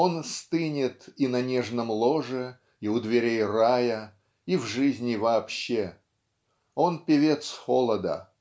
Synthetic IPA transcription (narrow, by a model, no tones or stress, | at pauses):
o̞nst̪ɨnʲɪt̪inɐnʲeʐnəmlˠo̞ʐɨ | iʊd̪vʲɪɾʲejrajə | ivʐɨzʲnʲɪvɐːpɕːe | o̞npʲɪvʲet̪sxolˠəd̪ə̰